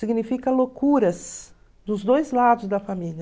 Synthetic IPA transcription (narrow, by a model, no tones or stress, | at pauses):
siɡnifikɐlokuɾɐs | d̪ʊzd̪ojzlad̪ʊzd̪ɐfamilɐ